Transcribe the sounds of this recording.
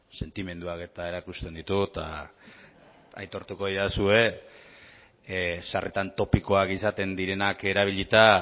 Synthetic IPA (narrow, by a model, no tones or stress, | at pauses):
se̞nt̪ime̞nd̪uake̞t̪ae̞ɾakust̪e̞nd̪it̪ut̪a̰ | a̰jt̪o̞ɾt̪uko̞ðiðasue̞ | sarʔet̪ant̪o̞piko̞akisat̪e̞nd̪iɾe̞nake̞ɾaβ̞iʎit̪a